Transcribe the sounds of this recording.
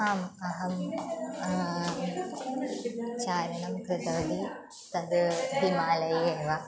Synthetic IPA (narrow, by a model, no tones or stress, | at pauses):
aːmɐɦɐm | t͡ʃaːɾɐnɐmkɾɪt̪ɐʋɐd̪i | t̪ɐd̪d̪imaːlɐjeːʋa